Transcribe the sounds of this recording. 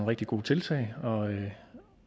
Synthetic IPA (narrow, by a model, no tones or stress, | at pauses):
nʁɛɡ̥d̥iɡ̥o̝̰ːt͡sʰe̝lt͡sʰɛ̰ɪɒ̽ø